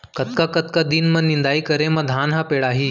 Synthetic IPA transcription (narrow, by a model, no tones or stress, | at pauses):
kət̪kakət̪̚kad̪iːnmənːind̪aikəɾẽməd̪ʱaːnɦapeɽaɦiː